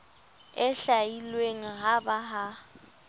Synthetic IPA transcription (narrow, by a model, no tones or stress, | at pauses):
ɛɬajilweŋ̩ɦabaɦa